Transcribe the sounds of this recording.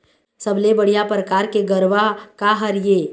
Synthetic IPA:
sɐblebəɽ̤ijapɾəkaːɾkeɡəɾʋakaɦɐɾjeː

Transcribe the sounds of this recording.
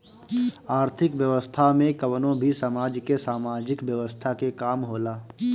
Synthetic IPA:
aːɾt̪ʰɪkʋjəʋəst̪ʰamẽkəʋnõbʱisaːmaːd͡ʒkesaːmaːd͡ʒɪkʋjəʋəst̪ʰakekaːmɦoːlaː

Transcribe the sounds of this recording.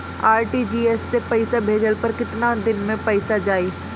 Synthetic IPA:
aːɾʈiːd͡ʒiːɛsːepɐɪsabʱeːd͡ʒəlpɐɾkɪt̪nad̪ɪnmẽpɐɪsad͡ʒaːiː

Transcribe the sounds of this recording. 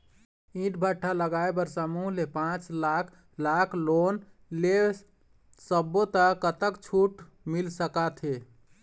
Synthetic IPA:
ĩʈbʱəʈʰːaləɡaebəɾsamuɦlepãt͡ʃlakʰ | lakʰlon | le | səbot̪əkət̪əkt͡ʃʰuʈ | milsəkat̪ʰɦe

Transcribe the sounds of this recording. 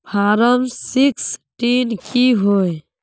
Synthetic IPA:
pʰaːɾəmsiksʈinkiɦoe

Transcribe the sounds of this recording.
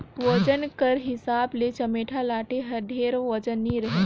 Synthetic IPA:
ʋəd͡ʒənkəɾɦɪsaːblet͡ʃəmeːʈʰalaːʈeɦɐd̪ʱeːɾʋəd͡ʒənːiɾəɦe

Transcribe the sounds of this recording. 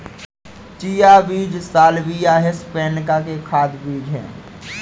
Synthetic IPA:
t͡ʃijabiːd͡ʒsaːlbijaɦespɛːnkakekʰaːd̪biːd͡ʒɦɛ̰̃ː

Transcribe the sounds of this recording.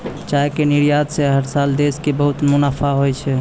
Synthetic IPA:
t͡ʃaekeniɾjad̪seɦəɾsald̪eskebəɦut̪munapʰaɦojt͡ʃʰɛ

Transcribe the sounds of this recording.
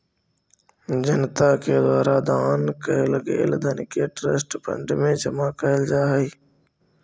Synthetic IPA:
d͡ʒənt̪aked̪waːɾad̪aːnkəeləɡḛld̪ʱənkeʈɾəsʈpə̰̃ɳɖmẽd͡ʒəmakəɪld͡ʒaːɦəiː

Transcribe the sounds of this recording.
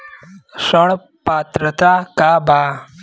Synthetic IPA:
səɭ | pat̪ɾət̪akaba

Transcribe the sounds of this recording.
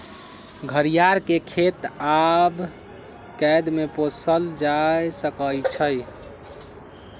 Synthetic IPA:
ɡʱəɾijaɾkekʰet̪ab | kɛjd̪meposəld͡ʒajsəkəlt͡ʃʰəj

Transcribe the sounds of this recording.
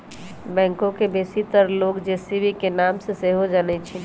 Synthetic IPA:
bɛ̃ːŋkõkebesit̪əɾloːɡd͡ʒesibikenaːmseseɦod͡ʒanɛt͡ʃʰi

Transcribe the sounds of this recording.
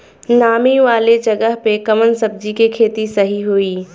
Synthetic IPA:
naːmiʋaːled͡ʒɐɡəɦpekɐmənsɐb̚d͡ʒikikʰeːt̪isɐɦiɦuiː

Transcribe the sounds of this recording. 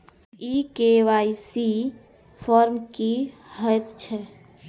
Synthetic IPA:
ikeʋaisi | pʰɔɾmkihəjt̪t͡ʃʰɛ

